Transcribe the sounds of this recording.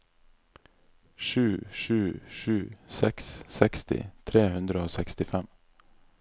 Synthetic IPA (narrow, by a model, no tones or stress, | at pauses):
ʃʉːʃʉːʃʉːsɛkssɛkst̪ɪ̰t̪ʰɾeːhʉnd̪ɾəoːsɛkst̪ɪfɛm